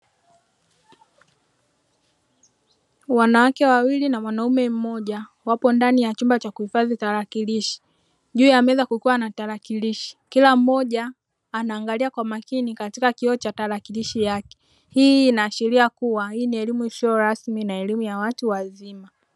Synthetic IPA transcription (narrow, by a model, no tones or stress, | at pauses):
wanawakɛwawilinamwanaumɛm̩mɔʄa | wapɔndanijat͡ʃumbat͡ʃakuhifazitaɾakiliʃi̥ | ʄuːjamɛɛzakukuwanataɾakiliʃi̥kilam̩ɔʄaː | naːŋɡaliakwamakinikatikakiɔt͡ʃataɾakiliʃijakɛ̥ | hiːnaːʃiɾiakuwahiːniɛlimusɔɔɾasminaɛlimujawatuwazima